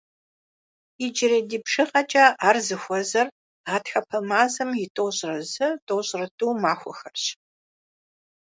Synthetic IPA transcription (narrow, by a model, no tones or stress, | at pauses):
ɪd͡ʒɪɾɐdiːpʂɨqʼɐt͡ʃʼaʔaːrzɨxʷɔzɐr | aːtxɐpʰɐmaːzɐmjɪtʼoːɕʼrɐzɐtʼoːɕʼrɐtʼuːmaːxʷɔxɐrɕ